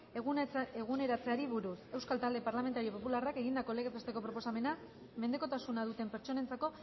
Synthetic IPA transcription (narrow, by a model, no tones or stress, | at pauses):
eɣune̞ɾat͡se̞aɾiβuɾuse̞wskalt̪ald̪e̞paɾlame̞nt̪aɾio̞po̞pularake̞ɣind̪ako̞leɣet̪est̪e̞ko̞pɾo̞po̞same̞na | me̞nd̪e̞ko̞t̪asunaðut̪e̞mpe̞ɾt͡ʃo̞ne̞nt͡sako̞